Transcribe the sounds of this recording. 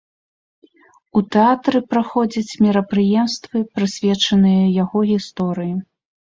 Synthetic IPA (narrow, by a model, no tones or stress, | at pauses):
ut̪ɛat̪ɾɨpɾaxɔd͡zʲɐt͡sʲmʲiɾɐpɾɨjɛmst̪vɨpɾɨsʲvʲɛt͡ʂɐnɨjɐjaɣɔɣʲist̪ɔɾɨji